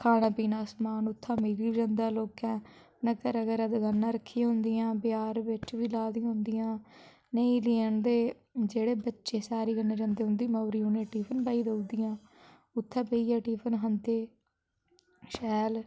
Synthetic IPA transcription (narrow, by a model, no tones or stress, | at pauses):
kʰaːnãːpiːnaːsmaːnʊt̪ʰːãːmiːɾiːd͡ʒə̃nd̪aːloːkɛ̃ː | nəkəɾəɡəɾəd̪ɡənːãːɾəkʰːĩãːɦʊ̃nd̪ijãːbɪjaːɾʋɪt͡ʃʋiːlaːd̪ĩɦʊ̃nd̪ijãː | nəĩːleːənd̪eː | d͡ʒeːɽeːbətːʃeːsaːɾiːɡənːeːd͡ʒə̃ːnd̪eːɦʊ̃nd̪iːmaːɾiːʊnẽːʈiːpʰənbaːiːd̪əud̪ijãː | ʊt̪ʰːãːpəiːɛːʈiːpʰənɦənt̪eː | ʃɛːl